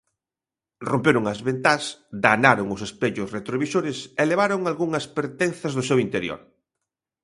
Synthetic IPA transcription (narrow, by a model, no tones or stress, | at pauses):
rompeɾʊŋɐzβent̪asd̪anaɾoŋʊsespeʎʊsret̪ɾoβisoɾɪseleβ̞aɾoŋalɣuŋɐspeɾt̪en̟θɐzðʊsewint̪eɾjo̰ɾ